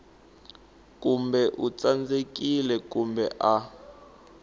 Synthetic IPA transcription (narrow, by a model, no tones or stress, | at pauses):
kʼumbɛʔut͡sand͡zek̬ʼilɛkumbɛʔa